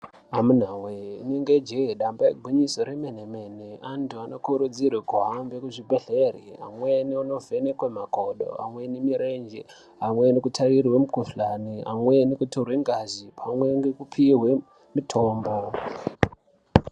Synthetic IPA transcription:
amun̤aweineŋɡed͡ʒeɗambaeɡʱwiɲiso̞ɾemenemeneantuano̞kuɾud͡zirekuɦambekuʐibʱeɮe̞rḭa̰mweniuno̞ve̞nekwemakoɗo̰a̰mwenimiɾe̞nd͡ʒḛ | ɦamwe̞nikutʰarirwemukuflania̰mwenikutorweŋɡazipʰamwe̞ŋɡekupʰiɦwe̞ | mitʰo̞ːmbo

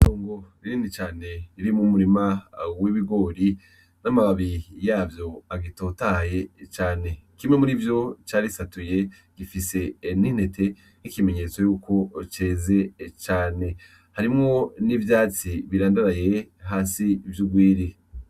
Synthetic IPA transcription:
toːŋɡo̞iɾiːndit͡ʃaːne̞iɾimumuɾimawiβiɡo̞ːɾi | namaβaβijaːvjo̞aɡito̞tahaje̞t͡ʃaːne̞kimŋe̞muɾivjo̞t͡ʃaːɾisatuje̞ | ɡ̥ifise̞nin̥he̞te̞ | nikime̞ɲe̞ːt͡so̞juːkʰo̞t͡ʃe̞ːze̞t͡ʃaːne̞ | haɾimŋo̞nivjaːt͡siβiɾaːndaɾaje̞ɦaːsivjuɡwiːɾi

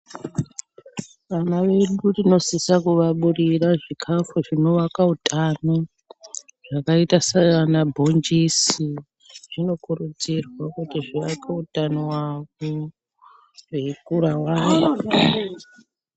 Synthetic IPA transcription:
ʋanaʋe̞ɗurino̞sisakuʋaɓuriraʐikʰafuʐino̞ʋakautʰʼano | ʐ̥akaitasaanabʱo̞nd͡ʒisi | ʐ̥ino̞kurud͡zirwakutiʐiʋakautanowako | wekuɾawaːno

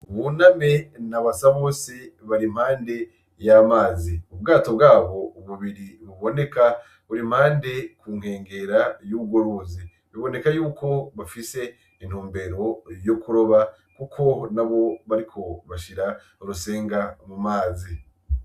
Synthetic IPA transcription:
uβuname̞naβasaβoːseβaɾimhaːnde̞ | jamaːziubɡaːto̞bɡaːβo̞uβuβiɾiβuβo̞ne̞ka | βuɾimhaːnde̞kuːŋ̥he̞ːŋɡe̞ɾajuβuɡoɾuzi | βiβo̞ne̞kajuːko̞βafise̞ | in̥huːmbe̞ɾo̞jokuɾo̞βa | kukʰo̞naβo̞βaɾikʰo̞βaʃiɾa | uɾuse̞ːŋɡamumaːzi

